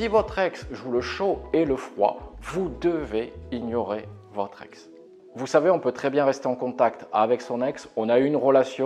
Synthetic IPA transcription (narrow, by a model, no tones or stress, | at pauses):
sivɔt̪χɛksʒuləʃoeləfχwa̰vud̪əveiɲɔʁe | vɔt̪χɛ̰ks | vusaveɔ̃pøt̪χɛbjɛ̃ʁɛst̪eɑ̃kɔ̃t̪akt̪avɛksɔ̃nɛksɔ̃naynʁəlasjɔ̃